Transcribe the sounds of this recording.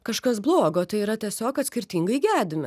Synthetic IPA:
kɐʃkɐsblˠoːɡoːt̪ɐɪiɾɐt̪ʲiɛsʲoːkɐt̪ʲsʲkʲɪɾʲt̪ʲiːŋɡɐɪɡʲæːdʲɪmʲɪ

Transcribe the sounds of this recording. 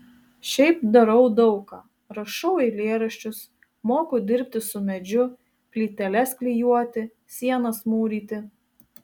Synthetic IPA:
ʃʲɛɪpd̪ɐɾɐʊd̪ɒʊkɑː | ɾɐʃɒʊɛɪlʲeːɾɐʃʲt͡ʃʲʊs | moːkʊd̪ʲɪɾʲp̚ʲt̪ʲɪsʊmʲɛd͡ʒʲʊ | kʲlʲiːt̪ʲɛlʲɛsklʲijuɔt̪ʲɪ | sʲiɛnɐsmuːɾʲiːt̪ʲɪ

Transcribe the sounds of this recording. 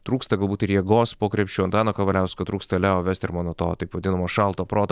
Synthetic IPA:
t̪ɾuːkst̪ɐɡɐlˠbuːt̪ɪɾjɛɡoːspoːkɾʲɛpʲt͡ʃʲuːɐnt̪ɑːnokɐʋɐlʲɛʊskoːt̪ɾuːkst̪ɐlʲɛoːʋʲæːst̪ʲɪɾmɑːnoːt̪oːt̪ɐɪpʋɐd̪ʲɪnɐmoːʃɑlˠt̪oːpɾoːt̪

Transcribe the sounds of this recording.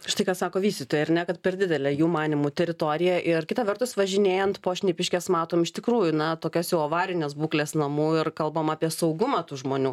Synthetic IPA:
ʃɪ̥t̪ɐɪkɑːsɑːkoːʋʲiːsʲt̪ʲɪt̪oːjɛɐɾnʲɛkɐt̪pʲɛrd̪ʲɪd̪ʲɛlʲɛjuːmɑːnʲɪmut̪ʲɛɾʲɪt̪oːɾʲɪjɛʔɪrkʲɪt̪ɐʋʲɛrt̪ʊsʋɐʒʲɪnʲeːjɛnt̪poːʃʲnʲepʲɪʃʲkʲɛːsmɑːt̪oːmɪʃt̪ʲɪkɾuːjʊnɐt̪oːkʲɛsjɛʊoːʋɑːɾʲɪnʲeːsbuːklʲeːsnɐmuːɪrkɐlˠbɐmɑːpʲiɛsɐʊɡʊmɑːt̪uːʒmoːnʲuː

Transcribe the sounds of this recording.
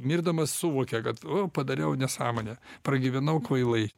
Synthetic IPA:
mʲɪrd̪ɐmɐssʊʋoːkʲɛkɐt̪opɐd̪ɐɾʲɛʊnʲɛsɑːmoːnʲɛpɾɐɡʲɪʋʲɛnɐʊkʋɐɪlˠɐɪ

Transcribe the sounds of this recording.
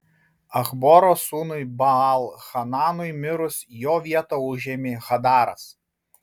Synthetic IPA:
ɐxbɔɾoːsuːnʊɪbɐɑlˠxɐnɑːnʊɪmʲɪɾʊsjoːʋʲiɛt̪oʊʒʲemʲɪxɐd̪ɑːɾɐ̰s

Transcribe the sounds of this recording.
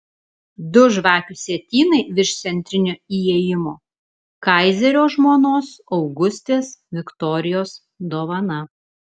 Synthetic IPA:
d̪ʊʒʋɑːkʲʊsʲɛt̪ʲiːnɐɪʋʲɪʃt̪sʲɛnʲt̪ʲɾʲɪnʲʊiːeɛjɪmoː | kɐɪzʲɛɾʲoːʒmoːnoːsɒʊɡʊsʲt̪ʲeːsʋʲɪkt̪ɔːɾʲɪjoːs | d̪oːʋɐnɐ

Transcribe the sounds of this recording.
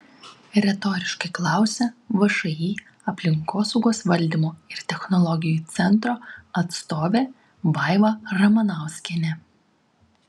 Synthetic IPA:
ɾʲɛt̪ɔːɾʲɪʃkɐɪklˠɑˑʊsʲɛʋɐʃɐjiː | ɐpʲlʲɪŋkoːsɔʊɡoːsʋɐlʲd̪ʲimoːɪɾt̪ʲɛxnɔlˠɔɡʲɪjuˑt̪sʲɛnˑt̪ɾoːɐt̪st̪oːʋʲeː | ʋɐˑɪʋɐɾɐmɐnɐˑʊsʲkʲɛnʲɛ

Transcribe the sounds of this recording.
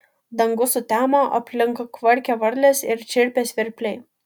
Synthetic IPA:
d̪ɐŋɡʊsʊt̪ʲæːmoʔɐpʲlʲɪŋkɐkʋɐɾʲkʲɛʋɐɾʲlʲesɪɾt͡ʃʲɪɾʲpʲesʲʋʲɪɾʲpʲlʲɛɪ

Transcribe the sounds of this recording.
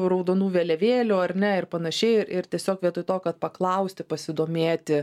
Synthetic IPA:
ɾɐʊd̪onuːʋʲeːlʲɛʋʲeːlʲuːɐɾʲnʲɛɪrpɐnɐʃʲɛɪɪɾɪɾt̪ʲiɛsʲoːkʋʲiɛt̪ʊɪt̪oːkɐt̪̚pɐklˠɐʊsʲt̪ʲɪpɐsʲɪd̪oːmʲeːt̪ʲɪ

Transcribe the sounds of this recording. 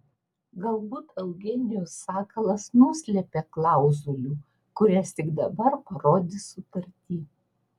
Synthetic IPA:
ɡɐlˠbuːt̪ʰɐʊɡʲɛnʲɪjoːsːɑːkɐlˠɐsnʊsʲlʲɛpʲeːklˠɑˑʊzulʲuː | kʊɾʲɛst̪ʲɪɡd̪ɐbɐɾpɐɾoːd̪ʲɪsʊt̪ɐɾʲt̪ʲiː

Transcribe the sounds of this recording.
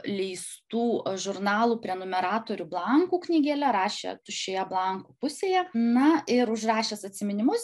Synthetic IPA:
lʲɛɪst̪uːʒʊɾnɑːlˠuːpʲɾʲɛnomʲɛɾɑːt̪oːɾʲublˠɐŋkuːknʲiːɡʲeːlʲɛɾɑːʃʲḛt̪ʊʃʲeːjɛblˠɐŋkuːpʊsʲeːjɛnɐɪɾʊʃrɑːʃʲeːsɐt̪ʲsʲɪmʲɪnʲɪmʊs

